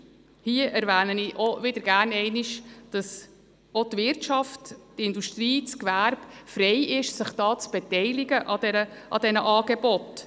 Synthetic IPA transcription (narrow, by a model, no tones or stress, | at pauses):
hiəʔɛɾʋæːnəniʔoʋɪdəɾɡæːɾnɛɪnɪʃd̥ɑs | otvɪɾtʃɑftː | ɪnduʃtriːt͡skʋæːɾbfɾɛɪʔɪʃsəχd̥ɑːt͡sb̥ɛtɛɪlɪɡəʔɑdɛɾə | ʔɑ̰dɛnəʔɑːɡebɔt